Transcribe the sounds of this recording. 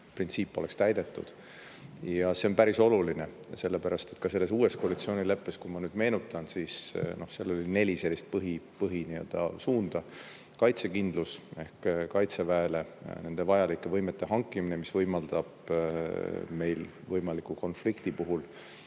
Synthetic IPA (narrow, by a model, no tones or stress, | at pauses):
print̪siːpːˑo̞le̞kst̪æjd̪e̞t̪ːˑṵd̪̥ | jɑse̞onpæɾiso̞luline̞ | se̞lːepæɾɑst̪e̞t̪kɑs̬e̞lːe̞s̬uːe̞sko̞ɑlit̪sio̞ːnile̞pːˑeskumɑnyːd̪̥me̞ːnut̪ːˑɑnsiːsno̞hselːooline̞lʲise̞lːist̪̚pɤɦipɤɦiniḛld̪̥ɑ̰suːnd̪̥ɑ | kɑjt̪se̞kind̪̥luse̞hkkɑjt̪se̞væele̞ne̞nd̪evɑjɑlikːˑevɤ̞jmet̪ˑːe̞ɦɑŋkˑːiminemisvɤjmɑld̪̥ɑb̥̚ | me̞jl | vɤjmɑlikːˑuko̞nflikt̪ipuɦul